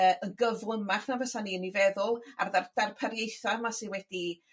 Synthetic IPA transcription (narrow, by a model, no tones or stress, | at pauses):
əːəɡəvlˠʊmaχnavəsaniːənivɛðʊlˠa̰rðard̥arpʰaɾjejθamasiwɛd̥i